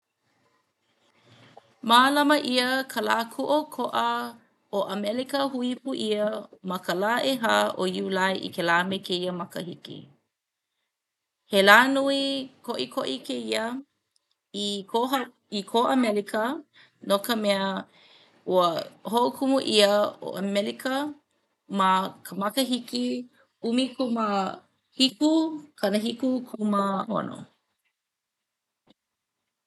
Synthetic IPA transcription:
maːlɐməʔiəkʰəlakʰuʔokʰoʔə | oʔɐmɛlikəhuipuʔiəmɐkəlaʔeɦaʔoiulajʔḭkʰelaːmekʰeiəmɐkə̰hikḭ | helaːnuikʰoʔikʰoʔikʰeiə | ioɦ | ikʰoʔɐmɛlikʰə | nokəmɛə | uəhoʔokʰumuʔiəo̰ʔəmɛlikə | makʰəmɐkəɦiki | umikʰumə | hikukʰɐnəɦikukʰuməho̰no̰

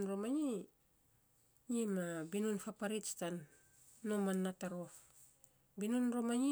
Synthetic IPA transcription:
nɾomaɲi | ɲimabinunfapaɾitstanː | omanːataɾo̞f | binunɾomaɲi

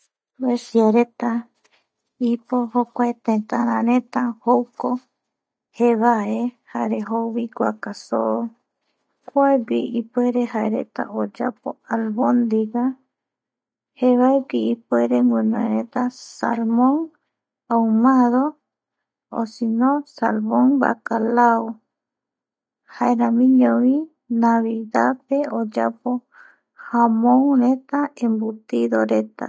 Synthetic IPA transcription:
esjaɾet̪a | ipohokʷaet̪ẽnt̪aɾãɾẽt̪ahowko | heβaehaeɾeɦoβikʷa̰kaso̰o | kʷaeɡiʔipweɾehaeɾḛt̪a̰ʔod͡ʒapoalβond̪iɡa | heβaeɡiːpweɾeŋɡẽnõeɾet̪asa̰lmõŋ | awmaðo | o̰sinõsa̰lmõŋba̰kalao | haeɾãmĩɲõβĩ | naβiðapeod͡ʒa̰po | hamõŋɾet̪aẽmbut̪iðoɾe̞t̪a̰

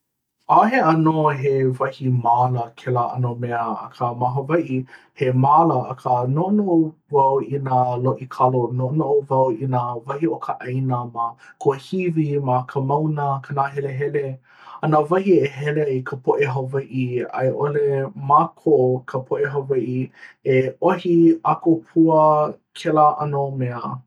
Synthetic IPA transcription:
aɦeɐnoɦevɐhimaːləkʰɛlaʔɐ̰nomɛəɐ̰kʰəmaɦəvɐjʔi | hemaːləːkʰənoʔonoʔovɐwinaloʔikʰɐlonoʔonoʔovɐwinavɐhiokʰəʔɐjnəmakʰohivimakʰəmawnəkʰənaːɦɛleɦɛle | ɐnavɐhieɦɛleikʰəpʰoʔeɦavɐjʔia̰jʔolemakʰoʔokʰəpʰoʔeɦɐvɐjʔieʔohiakopʰuəkʰɛləʔɐnəomɛə

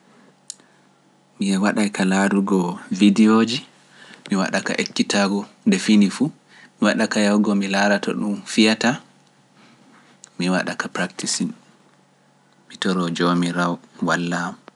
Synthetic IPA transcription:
miɛwaɗajkaladuɡɔvidiod͡ʒi | miwa̰ɗaka̰ʔekːitaɡɔndɛfinifu | miwaɗakajawɡɔmilaɾatʰɔ̰ɗumfijata | miwaɗakapɾaktisin | mitɔɾɔd͡ʒomiɾawwalːam

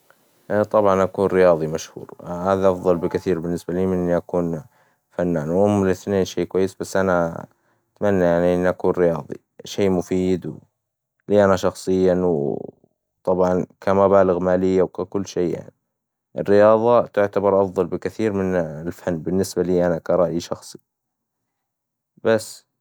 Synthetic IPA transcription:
t̪ˤɑbʕɑnʔakuːnɾɪjɑːðˤimaʃhṵːɾhaːðaʔɑfðˤɑlbɪkɪθiːɾbɪnːɪsbaliːmɪnːiʔakuːn | fanːaːnwʔʊmːɪlɪθneːnʃiːkwajːɪsbasːʔana | t̪manːajaʕniʔɪnːiʔakuːnɾɪjɑːðˤḭ | ʃeːmʊfiːd̪w | liːʔanaʃɑxsˤɨjːaw | t̪ˤɑbʕɑnkʰamabaːlɪɣmaːlɪjːawkakʊlːʃeːja̰ʕni | ʔɪ̰rːɪjɑːðˤɑt̪ʊʕt̪abɑɾˤʔɑfðˤɑlbɪkaθiːɾmɪnɪlfanːbɪnːɪsbaliːʔanakɑɾˤɑʔiʃɑxsˤi̥ | basː

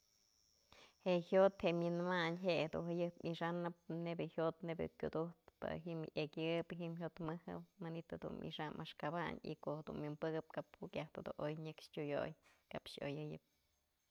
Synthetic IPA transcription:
hehjot̪heʔmʲjɨnmaɲɦehad̪ṵnhɨjɨpmiʂanɨp̚nebɨhjot̪nebʲɨ̰kʲud̪uht̪pɨ̰ɦimjekʲɨpɦimçjot̪mɨhɨ̰manit̪had̪ṵnmḭʂamʔaʂkaba̰ɲḭkohed̪unmʲjɨmpɨɡɨp̚kaphukjaht̪ɨd̪ṵʔojɲɨkʂtʲujo̰jkapʃo̰jɨjɨp̚

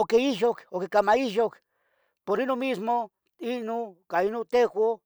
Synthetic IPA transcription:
okeiʃokokekamaiʃok | poɾinomismo | inokainot̪exʷo

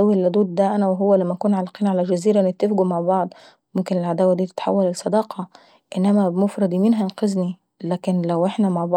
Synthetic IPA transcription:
æwːilːæd̪uːd̪̚d̪æʔænæweɦowːælæmːæʔkuːnʕalːɑqiːnʕalæd͡ʒæziːɾæʔenːet̪ːefɡumaʕbɑʕd̪ˤ | momkenelʕad̪æːwæd̪iːt̪e̥t̪ħa̰wːælelsˤːɑd̪ɑːqʰɑ | ʔenːæmæbmofɾˤɑd̪ˤimiːnɦænqɑzni | læːkenlæwʔeħnæmaʕbɑ

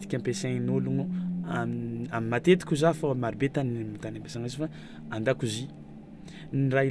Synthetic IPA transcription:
t̪i̥kʲampeseŋnuluŋuamamimat̪et̪i̥kʲuzafomaɾibet̪animit̪anampe̥saŋezifa | and̪akuzi | nira

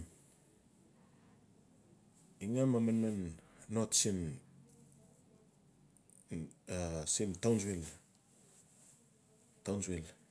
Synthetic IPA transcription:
iŋamamanmanːotsin | asimtawnswel | tawnsel

